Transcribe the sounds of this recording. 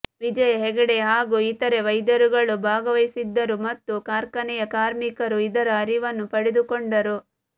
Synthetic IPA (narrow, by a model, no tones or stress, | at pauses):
ʋid͡ʒɐjɐɦɛɡɐɽe̞ɦaːɡuit̪ɐɾe̞ʋɐjd̪ɐɾuɡɐɭubʱaːɡɐʋɐjsid̪ːɐɾumɐt̪ːukaːɾkɐnɛjɐkaːɾmikɐɾuid̪ɐɾɐːɾiʋɐnːupɐɽed̪ukoɳɖɐɾu